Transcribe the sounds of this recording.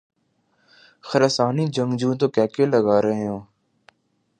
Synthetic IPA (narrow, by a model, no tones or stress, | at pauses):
xəɾəsaːniːd͡ʒəŋɡd͡ʒũːt̪oːkɛːkeːləɡaːɾəːɦjõː